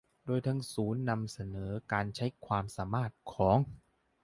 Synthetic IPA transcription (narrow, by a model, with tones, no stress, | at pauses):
doː˧jt̪ʰa˧ŋsuː˩˦nːa˧msa˧nɤː˩˦kaː˧nt͡ɕʰa˦˥jkʰwaː˧msaː˩˦maː˥˩t̪̚kʰɔː˩˦ŋ